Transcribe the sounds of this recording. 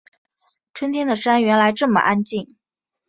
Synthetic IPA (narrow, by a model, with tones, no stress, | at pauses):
ʈ͡ʂʰwə˥nt̪ʰjɛ˥nd̪ə˨ʂa˥nɥɛ˧˥nla˧˥ɪʈ͡ʂɤ˥˩mə̰˩ʔa˥nt͡ɕi˥˩ŋ